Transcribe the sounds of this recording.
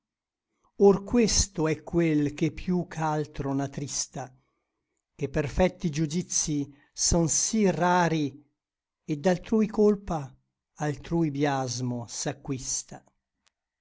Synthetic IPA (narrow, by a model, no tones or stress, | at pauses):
orkwest̪oɛkːwelk̟epːjukʰːalt̪ɾonat̪ɾist̪a | k̟epːerfɛt̪ːid͡ʒud̪it̪sːi | sɔnsiraːɾi | ed̪ːalt̪ɾuːjkolpaː | lt̪ɾuːjbjazmosakːwist̪a